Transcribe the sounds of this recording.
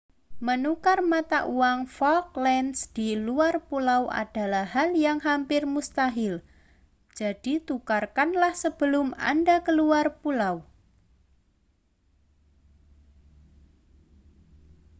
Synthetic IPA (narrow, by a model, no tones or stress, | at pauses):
mənukarmat̪aʔuwaŋfɔlk̚lɛnsd̥iluarpulawʔa̰d̥a̤lahɦaljaŋɦampɪrmust̪aɦɪl | d͡ʒ̥ad̥it̪ukarkanlahsəb̥əlʊma̰ndakəluarpulaw